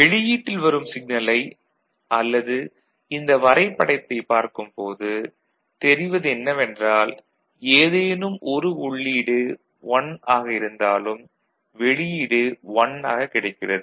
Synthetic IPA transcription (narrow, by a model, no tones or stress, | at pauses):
ʋɛɭɪjiːʈːɪlʋɐɾɯmsɪɡ̚nɐlɐɪ | ʔɐlːɐðɯ | ɪnd̪ɐʋɐɾɐɪpːɐɽɐɪt̪ːɐɪpaːɾkɯmpoːðɯ | t̪ɛɾɪʋɐðɯɛnːɐʋɛndraːl | eːðeːnɯmʔɔɾɯʊɭːiːɽɯ | ʋɐnaːɣɐɪɾɯnd̪aːlɯm | ʋɛɭɪjiːɽɯʋɐnaːɣɐkːɪɽɐɪkːɪrɐðɯ